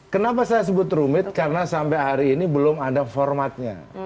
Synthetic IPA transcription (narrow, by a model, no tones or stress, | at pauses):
kənapasajas̬əbʊt̪ɾumɪt̪̚kaɾənasampaɦaɾiːnibəlʊmadafɔrmat̪̚ɲa̰